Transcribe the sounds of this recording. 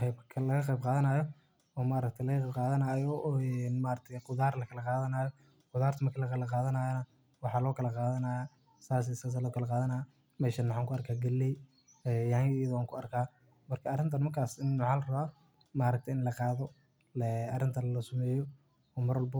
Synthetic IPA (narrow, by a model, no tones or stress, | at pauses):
bkʰlɐɣɐqɑjb̚qɑːðɐnɐjɔ | ɔːmaːɾɐk̚t̪ʰɐlɐɣɐqɛbqɑːðɐnajɔɛnmaːɾɐk̚t̪ʰɛjqʊðaːrlɐkʰɐlɐqɑːðɐnaːjɔ | qʊðaːrt̪ʰɐmɐrkʰɐlɐkʰɐlɐqɑːðɐnaːjɐnɐ | wɑħɑːlɔːkʰɐlɐqɑːðɐnaːja | saːs̬ɛsaːs̬alɔːkʰɐlɐqɑːðɐnaja | mɛːʃɐnwʊħaːŋkʰʊɐrkʰaːɡɐlːɛj | ɛjɐhɐŋkɪjɐðɐwaːŋkʰʊɐrkʰaː | mɐrkʰɐːrɪnt̪ʰɐnmɐrkʰaːsɪnːʊʕɑːlrɐβaː | maːɾɐk̚t̪ʰɛɪnlɐqɑːðɔ | ɛɐrɪnt̪ʰɐnlɐsʊmɛːjɔ | ɔːmɐɾwɔlbɔ